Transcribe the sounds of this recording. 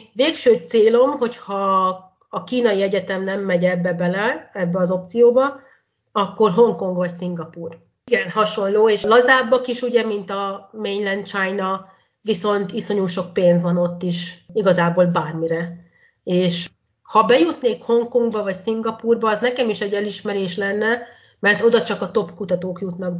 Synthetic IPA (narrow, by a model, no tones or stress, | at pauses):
veːkʃøːt̪seːlo̞mɦo̞chɒː | kiːnɒjiɛɟɛt̪ɛmnɛmːɛɟɛbːɛbɛlɛɛbːɛɒzo̞p̚t̪sijoːbɒ | ɒkːo̞rɦo̞ŋko̞ŋɡvɒcsiŋɡɒpuːr | ɡɛnɦɒʃo̞nloːeːʃlɒzaːbːɒkiʃuɟɛmint̪ɒmeːɲlɛnt͡ʃaːjnɒ | viso̞nt̪iso̞ɲuːʃo̞k̚peːnzʋɒno̞t̪ːiʃiɡɒzaːboːlbaːrmiɾɛ | eːʃ | hɒbɛjut̪neːkho̞ŋkoŋɡbɒvɒcsiŋɡɒpuːrbɒːznɛkɛmiʃɛɟːɛliʃmɛɾeːʃlɛnːɛ | mɛrt̪o̞d̪ɒt͡ʃɒkɒt̪o̞pkut̪ɒt̪oːkjut̪nɒk̚